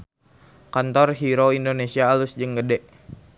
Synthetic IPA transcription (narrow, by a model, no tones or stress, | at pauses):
kant̪ɔrɦiɾoindonesiaːlʊsd͡ʒəŋɡədɛʔ